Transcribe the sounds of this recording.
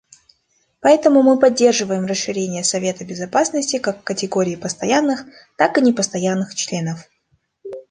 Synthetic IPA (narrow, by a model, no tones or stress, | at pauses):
pɐɛt̪əmʊmɨpɐdʲːe̞rʐɨvəjɪmrəsʂɨɾʲenʲɪjəsɐvʲe̞t̪əbʲɪzɐpasnəsʲtʲɪkakːətʲɪɡo̞ɾʲɪːpəst̪ɐjanːɨx | t̪akɨnʲɪpəst̪ɐjanːɨxt͡ɕlʲe̞nəf